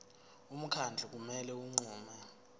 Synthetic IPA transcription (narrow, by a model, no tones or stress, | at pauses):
um̩kʰand͡ɮʱuk̬umɛlɛuŋ͡ǀuːmɛ